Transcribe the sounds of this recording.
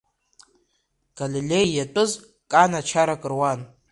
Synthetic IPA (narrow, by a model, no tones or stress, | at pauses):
ɡ̥alilʲejjatʼɨz | kʼanat͡ʃʰaɾakʼɨrwan